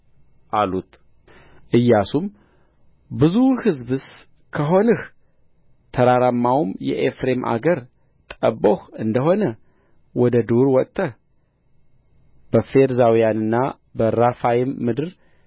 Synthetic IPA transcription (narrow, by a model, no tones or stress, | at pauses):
ʔalut̪ | ʔɨjːasum | bɨzuhɨzbɨs | kʰəɦo̞nɨh | t̪ʰəɾaɾamːawmjɛ̰ʔefɾe̞mʔa̰ɡəɾ | t̪ʼəbohɨnd̪əɦo̞nə | wɔd̪əd̪oɾwɔt̪ʼːə | b̥əfe̞ɾzawijanɨnːa | bəɾafajɪmːɨd̪ɨɾ